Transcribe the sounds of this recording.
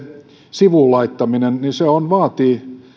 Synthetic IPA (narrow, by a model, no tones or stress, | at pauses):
siʋuˑlɑit̪ːɑminenniseonʋɑːt̪iː